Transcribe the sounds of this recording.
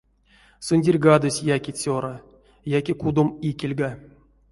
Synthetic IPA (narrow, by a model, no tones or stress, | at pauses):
sunʲdʲirʲɡad̪osʲjakʲit͡sʲoɾa | jakʲekud̪omikʲelʲɡa